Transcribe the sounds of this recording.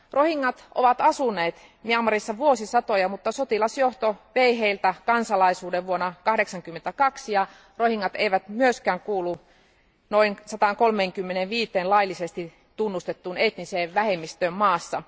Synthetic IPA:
rohiŋːɑt̪ʔo̰ʋɑt̪ɑsunːˑeːt̪ | miɑmːɑrisːɑʋuosisɑt̪ojɑmut̪ːɑsot̪ilɑsjoht̪oʋeiɦeilt̪ækɑnsɑlɑisuːdeʋʋuonːɑkɑhdeksɑŋkymːent̪ækɑksijɑ | rohiŋːɑt̪eiʋæt̪myøskæːŋkuːlːu | noinsɑt̪ɑˑŋkolmeːŋkymːeneʋʋiːt̪ˑeːnlɑilːisest̪i | t̪unːust̪et̪ːunet̪niseːʋʋæhemːist̪øːmmɑːsːɑ

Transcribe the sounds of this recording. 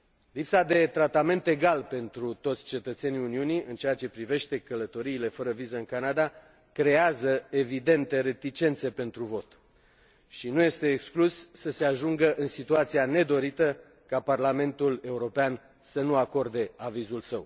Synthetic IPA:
lipsad̪e̞t̪ɾat̪ame̞nt̪e̞ɡalpe̞nt̪ɾut̪o̞t̪sʲt͡ʃe̞t̪ət̪se̞niuniuniɨnt͡ʃeat͡ʃe̞pɾive̞ʃt̪e̞kələt̪o̞ɾiːle̞fəɾəvizəɨŋkanad̪a | kɾe̞azəe̞vid̪e̞nt̪e̞ɾe̞t̪it͡ʃe̞nt̪se̞pe̞nt̪ɾuvo̞t̪ | ʃinuje̞st̪e̞ːksklusːəse̞aʒuŋɡəʔɨnsit̪uat̪siane̞d̪o̞ɾit̪ə | kaparlame̞nt̪ule̞uɾo̞pean | sənuako̞rd̪e̞avizulsəw

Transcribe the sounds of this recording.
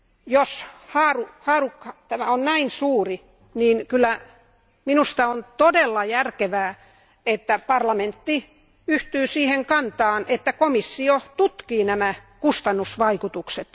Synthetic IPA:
joshɑːruhɑːrukːɑt̪æmæonnæinsuːri | niːnkylːˑæ | minust̪ɑont̪odelːɑjærkeʋæː | et̪ːæpɑrlɑment̪ːi | yht̪yːsiːheŋkɑnt̪ɑːnʔet̪ːækomisːiot̪ut̪kiːnæmækust̪ɑnːusʋɑikut̪ukset̪

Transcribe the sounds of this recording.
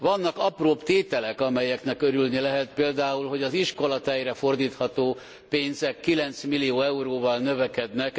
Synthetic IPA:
ʋɒnːɒkɒproːpt̪eːt̪ɛlɛkɒmɛjɛknɛkøɾylnilɛɦɛt̪peːld̪aːulɦo̞ɟɒziʃko̞lɒt̪ɛjrɛfo̞rd̪iːt̪hɒt̪oː | peːnzɛkːilɛnt̪smilijoːɛuɾoːvɒlnøvɛkɛd̪nɛk

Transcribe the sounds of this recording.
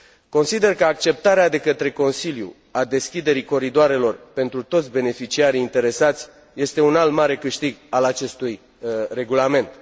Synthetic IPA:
ko̞nsid̪e̞rkəak̚t͡ʃe̞p̚t̪aɾead̪e̞kət̪ɾe̞ko̞nsiljṵ | ad̪e̞skʲid̪e̞ɾiko̞ɾid̪oaɾe̞lo̞rpe̞nt̪ɾut̪ot̪sʲbe̞ne̞fit͡ʃiaɾiːnt̪e̞ɾe̞sat̪sʲ | je̞st̪e̞unalmaɾe̞kɨʃt̪iɡalat͡ʃe̞st̪uj | re̞ɡulame̞nt̪

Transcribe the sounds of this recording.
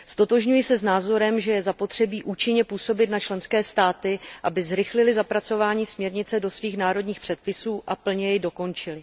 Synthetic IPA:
st̪o̞t̪o̞ʒɲujɪsɛznaːzo̞ɾɛmʒɛjɛzapo̞t̪r̝̥ɛbiːʔuːt͡ʃɪɲɛpuːso̞bɪt̪nat͡ʃlɛnskɛːst̪aːt̪ɪʔabɪzɾɪxlɪlɪzapɾat͡so̞vaːɲiːsmɲɛɾɲɪt͡sɛdo̞sviːxnaːɾo̞dɲiːxpr̥ɛt̪̚pɪsuːʔapl̩ɲɛjɛjdo̞ko̞nt͡ʃɪlɪ

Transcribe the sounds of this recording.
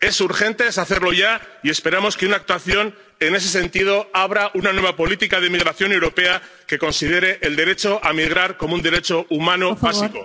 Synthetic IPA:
e̞suɾxe̞nt̪e̞saθe̞ɾlo̞ʝaie̞spe̞ɾamo̞skeunak̚t̪waθjo̞n | e̞ne̞s̬e̞sẽ̞nt̪iðo̞aβ̞ɾaʔunanwe̞βapo̞lit̪ikað̞emiɣ̞ɾaθjo̞newɾo̞pe̞a | ke̞ko̞nsið̞e̞ɾe̞ʔeld̪e̞ɾe̞t͡ʃo̞ʔamiɣ̞ɾaɾko̞mound̪e̞ɾe̞t͡ʃo̞umanoβasiko

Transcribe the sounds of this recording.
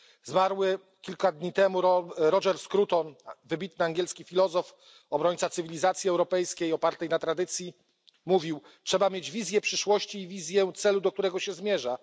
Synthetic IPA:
zmaɾwɘ | kʲilkad̪ɲit̪ɛmuɾɔʐɛɾskɾut̪ɔnvɘbʲit̪̚nɘaŋɡʲjɛlskʲifʲilɔzɔf | ɔbɾɔɲʲt̪sat̪sɘvʲilʲizat̪sʲjiɛwɾɔpɛjskʲejɔpaɾt̪ɛjnat̪ɾad̪ɘt̪sʲji | muvʲiw | tʂɛbamʲjed͡ʑvʲizʲjɛpʂɘʂwɔɕt͡ɕiːvʲizʲjɛt̪sɛlud̪ɔk̚t̪uɾɛɡɔɕɛzmʲjɛʐa

